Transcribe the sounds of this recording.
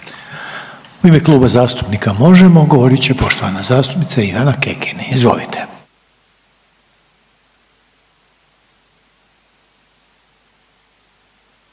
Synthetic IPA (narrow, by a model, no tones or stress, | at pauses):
uimeklˠuːbazaːst̪u̥pnikamo̞ʒemo̞ɡo̞ʋo̞ɾit͡ɕepo̞ʃt̪o̞ʋanazaːst̪u̥pnit̪saiʋanakekʰiniizʋo̞̰lit̪ʰe̥